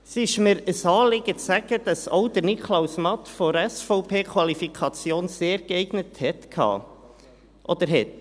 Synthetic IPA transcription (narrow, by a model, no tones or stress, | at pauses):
sɪʃməɾəsɑːlɪɡ̥əæɡ̥əd̥ɑso̰wd̪əɾnikʰlawsmɑt̪foɾɛsfɔʊpʰeːkʰwɑlifikʰɑt͡sjoːnseːɾɡɛɪɡ̥nəthɛtkʰhɑ̰ː | ʔɔd̪əɾɦɛt̪